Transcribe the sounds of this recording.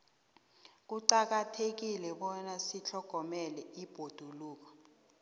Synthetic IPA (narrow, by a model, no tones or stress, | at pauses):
k̬uǀak̬atʰek̬ilɛɓɔnasit͡ɬʰɔɡ̥ʱɔmɛlɛib̥ʱod̥ʱuluːk̬ɔ̥